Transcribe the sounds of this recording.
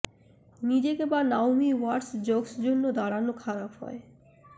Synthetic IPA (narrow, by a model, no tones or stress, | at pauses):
nid͡ʑekebanawmiwaɾsd͡ʑoɡsd͡ʑonːod̪aɽanokʰaɾapɦɔ̰e